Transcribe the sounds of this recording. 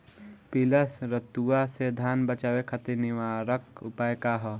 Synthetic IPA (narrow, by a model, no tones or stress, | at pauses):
piləsɾɐt̪uased̪ʱaːnbɐt͡ʃaːʋekʰɐt̪iniʋaːɾəkʊpaːjkaɦɔ